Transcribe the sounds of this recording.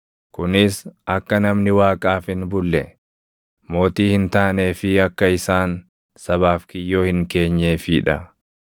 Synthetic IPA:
kʊnɪsɐkːɐnɐmnɪwaːkʼaːfɪnbʊlːɛ | mo̞ːt̪iːhɪnt̪aːneːfɪɐkːɐɪsaːn | sɐβaːfkɪjːo̞ːhɪŋke̞ːɲːe̞ːfɪːᶑɐ

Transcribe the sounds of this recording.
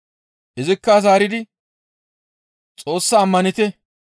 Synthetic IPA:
ʔɪzɪkːɐzaːɾɪd̪ɪ | t͡sʼo̞ːsːaːmːɐnɪt̪ɛ

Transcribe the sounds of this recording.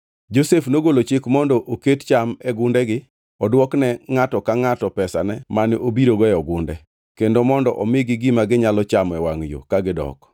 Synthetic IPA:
d͡ʒosefnoɡolot͡ʃɪkmɔndɔʔokett͡ʃamɛɡʊndɛɡɪ | ɔdwɔknɛŋatɔkaŋatɔpɛsanɛmanɪʔobiɾoɡɔjɔɡʊndɛ̰ | kendomɔndɔ̰ʔɔmɪɡɪɡɪmaɡɪɲalɔt͡ʃamɛwaŋjo̰kaɡɪdɔ̰k

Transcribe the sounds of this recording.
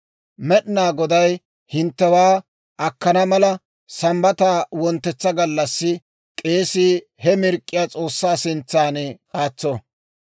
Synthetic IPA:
mɛɗnaːɡɔd̪ɐj | hɪnt̪ːɛwaː | ʔɐkːɐnɐmɐlɐ | sɐmbɐt̪aːwɔnt̪ːɛt͡sːɐɡɐlːɐsːɪ | kʼe̞ːsiː | hɛmɪɾkʼːɪjaːt͡sʼo̞ːsːaːsɪnt͡sːaːnɛkʼaːt͡sːo

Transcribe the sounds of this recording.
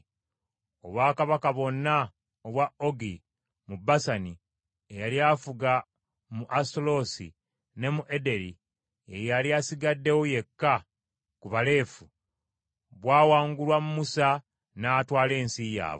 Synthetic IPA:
o̞βwaːkaβakaβo̞nːa | oβwao̞ɡi | mubasani | ejaljafuɡa | muʔastolo̞sḭ | ne̞muʔe̞de̞ɾi | ejaljasiɡadːe̞woje̞kːa | kuβale̞ːfu | βwaːwaːŋɡulwamumusa | naːtwaːle̞ːnsija̰ːβo

